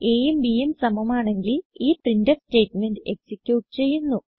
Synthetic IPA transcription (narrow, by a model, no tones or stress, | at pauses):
e̞ːjumbijumsɐmɐmaːɳe̞ŋɡiliːprindɐste̞ːʈme̞nɖɨe̞ksikʲjuːʈːɨt͡ɕe̞jːunːu